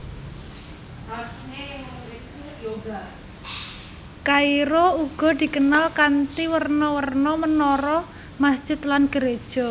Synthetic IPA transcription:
a | ba | kaiɾouɡ̥ɔ̤d̪̥i̤kənalkant̪iwərnɔwərnɔmənɔɾɔ | masd̥ʒ̥ɪ̤t̪lanɡ̥əɾed̥ʒ̥ɔ̤

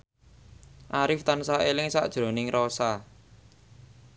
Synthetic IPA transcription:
ʔaɾɪft̪ansaʔelɪŋsa̰ʔd̥ʒ̥ɾo̤nɪŋrosa

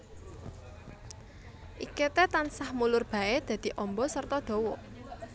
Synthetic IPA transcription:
ʔiket̪et̪ansahmulʊrb̥a̤ed̪̥ä̤d̪̥i̤ʔɔmbɔsərt̪ɔd̪̥ɔ̤wɔ

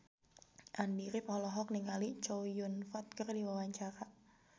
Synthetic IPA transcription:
ʔandiɾɪpɔlɔɦɔk̚niŋalit͡ʃojʊnfɔt̪̚kərdiwawaɲt͡ʃaɾa

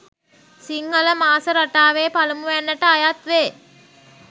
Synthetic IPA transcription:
siŋhələmaːsəɾaʈaːʋeːpalɐmuʋænːəʈəajat̪ʋeː

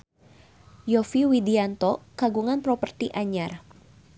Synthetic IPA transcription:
jɔfiwidiant̪ɔkaɡuŋanpɾɔpərt̪iʔaɲar

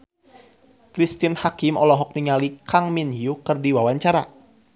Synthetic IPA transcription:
kɾist̪iənhakimɔlɔɦɔk̚niŋalikaŋminiukɨrdiwawaɲt͡ʃaɾa

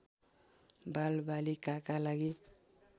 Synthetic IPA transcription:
balbalikakalaɡi

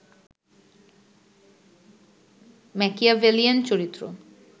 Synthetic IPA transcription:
mɛkiavelient͡ɕoɾit̪ːɾo̰

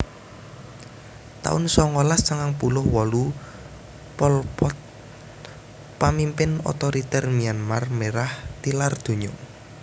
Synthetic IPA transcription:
t̪a̰ʊnsɔŋolast̪əŋaŋpulʊhwɔlu | pɔlpɔt̪ | pamimpɪnɔ̰t̪ɔɾit̪ɛrmianmarmeɾaht̪ilard̪̥o̤ɲɔ

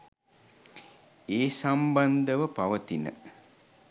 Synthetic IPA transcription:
eːsamband̪əʋəpaʋət̪inə̰

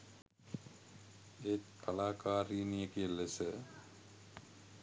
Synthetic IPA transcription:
et̪kʰalaːkaːɾinijəkiəlesə

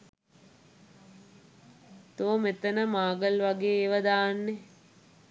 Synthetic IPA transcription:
t̪oːmet̪ənəmaːɡəlʋaɡeːeʋəd̪aːnːe

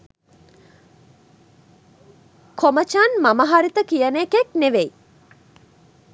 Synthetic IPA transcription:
kʰomət͡ʃanmaməɦaɾit̪əkijənekekneʋej

